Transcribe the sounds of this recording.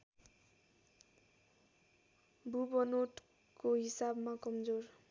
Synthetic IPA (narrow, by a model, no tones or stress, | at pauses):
bubʌnoʈ | koɦisabmakʌmd͡zor